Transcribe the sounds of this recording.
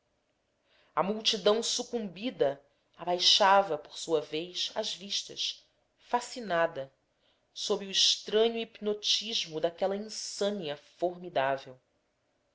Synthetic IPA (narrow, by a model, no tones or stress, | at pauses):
ɐmuwt͡ʃid̪ɐ̃w̃sukũmbid̪ɐ | abajʃavɐpoɾsuɐvejsɐ̰ʒviʃt̪ɐ̰ʃ | fasinad̪ɐ | sobɾɪʊiʃt̪ɾɐ̃ɲʊipnot͡ʃiʒmʊd̪akɛlɐĩsɐ̃niɐfoɾmid̪avew